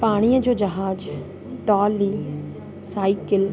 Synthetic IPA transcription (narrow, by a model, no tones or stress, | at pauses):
paːɽ̃ijəd͡ʑoːd͡ʑɐɦaːd͡ʑ | ʈɔːli | saːɪkɪl